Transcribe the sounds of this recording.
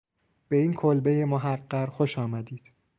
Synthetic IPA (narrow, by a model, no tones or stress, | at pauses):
b̥e̞iːnkʰolbejemoɦæɢːæɾxoʃɒːmæd̪iːd̪̥